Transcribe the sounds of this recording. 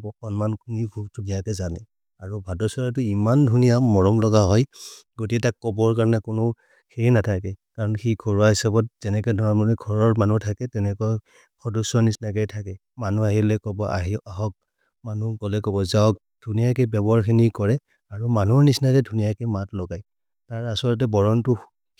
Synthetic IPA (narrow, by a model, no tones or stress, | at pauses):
bɔkɔnmankʰunibʰʱukdʰunijakɛzanɛ | aɹubʱadɔsɔɹat̬ʊimandʱunijamɔɹɔmlɔɡaɦɔjɡotikɛtakːɔbɔɹkaɹnɛkʊnʊ | xejnatʰakɛkaɹɔnxiɡʰʱɔɹuaɦisabɔt̚z̥ɛnɛkɛjdʱɔɹɔmɔnɛɡʱɔɹɔɹmanutʰakɛtɛnɛkɔɔ | kʰɔdɔsɔnisnakɛjtʰakɛ | manuaɦilɛkɔbɔʔa̰ɦiaɦɔk̚ | manuɡɔlɛkɔbɔzaɔk̚ | d̥ʱunijakɛbɛbaɹxʰinikɔɹɛ | aɹumanuɹnisnakɛdʱunijakɛmatlɔɡaj | taɹasɔɹɔt̬ɛbɔɹɔntʊ